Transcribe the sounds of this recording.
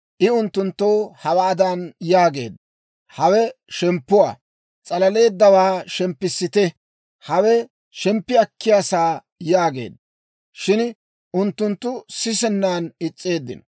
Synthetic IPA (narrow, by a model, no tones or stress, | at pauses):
ʔɪʊnt̪ːʊnt̪ːoːhɐwaːd̪anjaːɡḛːd̪ɐ | hɐwɛʃɛmpːʊwa̰ː | t͡sʼɐlɐle̞ːd̪ːɐwaːʃɛmpːɪsːɪt̪ɛ | hɐwɛ | ʃɛmpːɪɐkːɪjaːsaː | jaːɡḛːd̪ɐ | ʃɪn | ʔʊnt̪ːʊnt̪ːʊsɪsɛnːaːnɪt͡sʼːe̞ːd̪ːɪ̰n